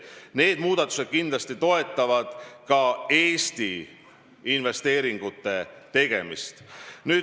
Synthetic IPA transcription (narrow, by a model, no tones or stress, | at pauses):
ne̞ːd̪̥muːd̪̥ɑt̪ːˑu̥sed̪̥̚kind̪lɑst̪it̪o̞e̞t̪ˑːɑvɑd̪̥kɑe̞ːst̪i | inve̞st̪e̞ːɾiŋɡ̥ut̪ˑːe̞t̪e̞ɡ̥e̞mḭst̪nyː